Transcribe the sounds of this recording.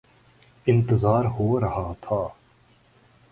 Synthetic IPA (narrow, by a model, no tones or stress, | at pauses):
ɪ̃nt̪əzaːɾɦoːɾɐɦaːt̪ʰaː